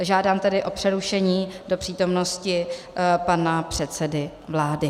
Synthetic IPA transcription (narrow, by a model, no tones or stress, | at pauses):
ʒaːdaːmt̪ɛdɪʔo̞pr̝̥ɛɾuʃɛɲiːdo̞pr̥iːt̪o̞mno̞scɪ | panapr̝̥ɛt̪sɛdɪ | vlaːdɪ